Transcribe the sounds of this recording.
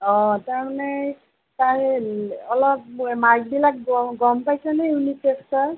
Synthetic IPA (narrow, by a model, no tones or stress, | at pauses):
ɔ̃taɹmanɛ | taɹɔlɔp̚maɡbilak̚ɡɔmpajsɛnɛjunitekstɔɹ